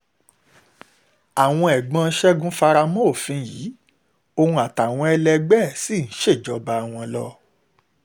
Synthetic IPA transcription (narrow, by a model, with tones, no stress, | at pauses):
a˨w̃ɔ̃˧ɛ˨ɡ͡bã˧˦ʃɛ˦ɡũ˦fa˧ɾa˧mo˦˨fĩ˧ji˨˦ | o˧hũ˧a˨ta˨w̃ɔ̃˧ɛ˧lɛ˧ɡ͡bɛ˦˨si˦˨ñ̩˨˦ʃe˦˨d͡ʒɔ˨˦ba˧a˨w̃ɔ̃˧lɔ̰˦